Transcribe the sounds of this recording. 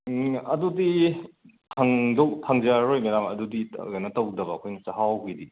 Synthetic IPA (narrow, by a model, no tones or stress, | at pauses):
ɐdudi | tʰaŋdok̚tʰaŋzaɾojmɐɾamɐ̰dudiɡɐjnɐtɐwdɐbɐːkʰojnsɐɦawɡidi